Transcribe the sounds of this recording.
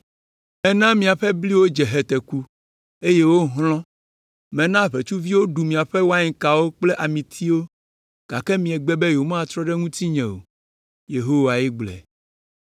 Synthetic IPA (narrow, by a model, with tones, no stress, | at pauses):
mɛ̃˦nã˦mĩ˨a˨ɸɛ˦bli˦wo˦d͡ʒɛ˨ɦɛ˨t̪ɛ˨ku˦ | e˦je˦wo˦ɦlɔ̃˦ | mɛ̃˨nã˦˨ɸe˨t͡ʃu˦vi˦wo˦ɖu˨mĩ˨a˨ɸɛ˦wo˦a˦ɲĩ˨ka˨wo˦k͡ple˦ʔa˨mĩ˨t̪ʰi˦wo˦ | ɡ̥a˨kɛ˦mĩ˨ɛ˨ɡ͡bɛ˦bɛ˦jo˨mã˦a˨t̪ɾɔ˦ɖɛ˦ŋũ˦t̪i˦ɲɛ̃˨wo̰˨ | je˨ɦo˦wa˨ji˦ɡ͡blɛ̰˨